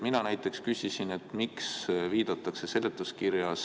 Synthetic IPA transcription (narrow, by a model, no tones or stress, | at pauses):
minɑnæjt̪ˑːe̞kskysʲisine̞t̪miksviːd̪̥ɑt̪ːˑɑkse̞se̞let̪ːˑuskirjɑs